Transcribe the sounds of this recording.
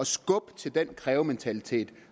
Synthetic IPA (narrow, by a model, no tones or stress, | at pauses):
ɒ̽sɡ̥ɔ̽b̥t͡sʰe̝ld̥en̰kʰʁɛːʊment͡sʰælit͡sʰe̝̰ːd̥